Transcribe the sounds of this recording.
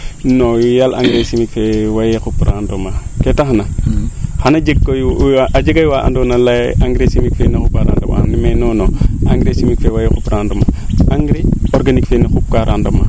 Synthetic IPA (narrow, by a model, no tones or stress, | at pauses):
nojalʔa̰ŋɡɾesimikfewajekupɾandomaketaxnahanad͡ʒekːojʔad͡ʒeɡajwaʔa̰ndonalaʔaŋɡɾesimikfenikupkaɾa̰ndo̰ma̰nimenonoaŋɡɾesimikfewajekupɾandoma̰aŋɡɾeoɾɡanikfenixup̚kaɾandoma